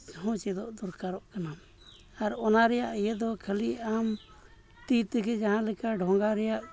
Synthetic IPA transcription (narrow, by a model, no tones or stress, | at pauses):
hɔ̃t͡ʃɛd̪ɔʔd̪ɔɾkaɾɔʔkana | aɾɔnaɾɛjaʔijɛd̪ɔkʰəliam | t̪it̪ɡɛd͡ʒaɦãlɛkaɖʱɔŋɡaɾɛjaʔ